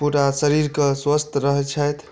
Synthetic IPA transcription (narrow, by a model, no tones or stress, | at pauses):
puʈasəɾiɾkəswəst̪ɾəɦt͡ʃʰəjt̪ʰ